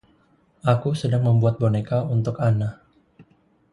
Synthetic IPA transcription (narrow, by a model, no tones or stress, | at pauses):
ʔakusədaŋməmbuat̪̚bonekaunt̪ʊkana